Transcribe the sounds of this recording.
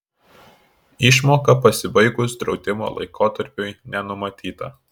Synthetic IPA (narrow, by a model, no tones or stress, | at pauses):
ɪʃmoːkɐpɐsʲɪbɐɪɡʊsd̪ɾɒʊd̪ʲɪmo̰ːlˠɐ̰ɪkoːt̪ɐɾʲpʲʊjnʲɛnʊmɐt̪ʲiːt̪ɐ